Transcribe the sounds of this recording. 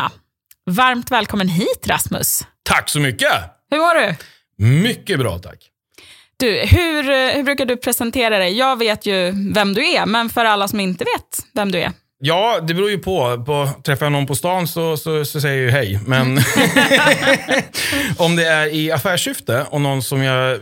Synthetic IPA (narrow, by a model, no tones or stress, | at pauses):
vaɾmt̪vɛːlkʰɔmːənɦiːt̪ɾa̰smɵ̰st̪ʰakːsɔmʏkːəhɵɾmɔɖɵ | mʏkːəbɾɑ̰ːt̪ʰa̰kː | d̪̥ʉhʉ̟ɾhɵbɾʉ̟kaɖɵpʰɾɛsɛnt̪ʰeːɾad̪ɛjːɑːɡveːt̪ʰjɵvɛmd̪ɵæɾmɛnfœɾalːasɔmɪnt̪əveːt̪vɛmd̪ɵæ̰ɾ | jɑːd̪ɛbɾuːɾjɵpʰɔpɔt̪ʰɾɛfːajanɔnpʰɔst̪ɑːnsɔsɔsɔs̬ɛjːəɾjəɦɛjmɛn | ɔmd̪ɛæɾɪafæːʂʏft̪əɔnɔnsɔmjɑ